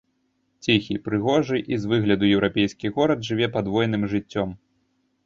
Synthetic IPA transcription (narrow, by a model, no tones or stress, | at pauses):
t͡sʲixʲipɾɨɣɔʐɨʔizvɨɣlʲɐd̪ujɛwɾʔapʲejskʲiɣɔɾɐd̪ʐɨvʲɛpad̪vɔjnɨmʐɨt͡sʲːɔm